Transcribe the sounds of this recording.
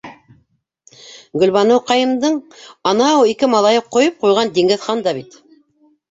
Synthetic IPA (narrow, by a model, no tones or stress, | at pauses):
ɡɵ̆lβɑnɤwqɑjɤ̆md̪ɤɴɑnɑwikɘmɑlˠɑjɤqːŏjɤp̚qujʁɑnd̪iŋɡɘ̆ðχɑnd̪ɑβit̪